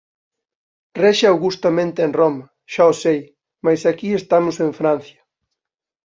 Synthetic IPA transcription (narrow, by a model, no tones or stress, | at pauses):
rɛʃaawɣust̪amẽnt̪eenroma | ʃaosej | majsakiest̪amʊsẽɱfɾãn̟θjɐ̥